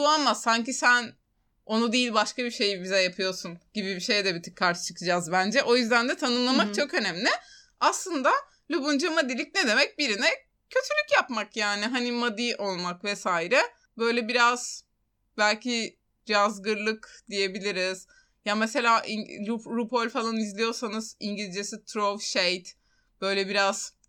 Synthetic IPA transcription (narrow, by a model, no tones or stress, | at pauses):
uanmassːaɲcisæn | o̞nud̪ijilʲbaʃkabiʃe̞jbizɛjapʰɯjo̞sunɟ̥ibibiʃe̞jd̪ɛbit̪ʰɯ̥kʰːaɾt͡ʃɯ̥t͡ʃʰɯkʰɯd͡ʒazbænd͡ʒɛʔo̞jyzd̪ænd̪ɛt̪ʰanɯmlˠamakt͡ʃʰo̞kø̞næmlʲɪ | aslˠɯnd̪a | lʲubund͡ʒamad̪ilʲicned̪e̞mɛc̚biɾinɛ | cʰø̞t̪ʰylʲycjapmakjaːnɪɦanimad̪iʔo̞lˠmakvɛsaːiɾɛ | bø̞jlʲɛbiɾaz̥ | bælʲcʰi | ɾazɡɯɾlˠɯkd̪ije̞bilʲiɾiz̥ | jamese̞lʲaːʔḭuɾupolʲfalˠanizlʲijo̞ɾsanɯz̥iɲɟilʲd͡ʒesit̪ʰɾovʃejt̪ | b̥ø̞jlʲɛbiɾaz̥